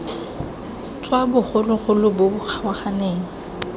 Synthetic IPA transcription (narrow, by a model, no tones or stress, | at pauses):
t͡sʼwabʊχʊlʊχʊlʊbʊʊk͡xʰawaχaneːŋ̩